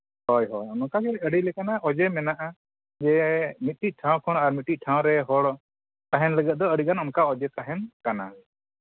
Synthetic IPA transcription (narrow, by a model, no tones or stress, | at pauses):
hɔjɦɔjɔnɔkaɡɛəɽilɛkanaʔɔd͡ʒɛmɛnaʔa | d͡ʒɛmit̪̚ʈic̚ˀʈʰãw̃kʰɔnaɾmit̪ːic̚ˀʈʰãw̃ɾɛɦɔɽ | t̪aɦɛnləɡɛt̪̚d̪ɔəɽikanɔnkaɔd͡ʒɛt̪aɦɛnkana̰